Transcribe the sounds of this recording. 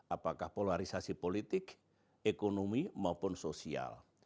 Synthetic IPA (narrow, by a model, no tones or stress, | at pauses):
apakahpolaɾisasipolit̪ɪk | ekonomimaupʊnsosia̰l